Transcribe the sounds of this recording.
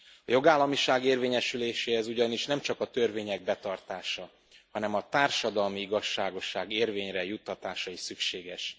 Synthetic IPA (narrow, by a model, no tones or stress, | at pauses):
ɒjo̞ɡaːlːɒmiʃaːɡeːrveːɲɛʃyleːʃeːhɛzuɟɒniʃnɛmt͡ʃɒkɒt̪ørveːɲɛɡ̚bɛt̪ɒrt̪aːʃɒ | hɒnɛmɒt̪aːrʃɒd̪ɒlmiiɡɒʃːaːɡo̞ʃːaːɡeːrveːɲrɛjut̪ːɒt̪aːʃɒisykʃeːɡɛʃ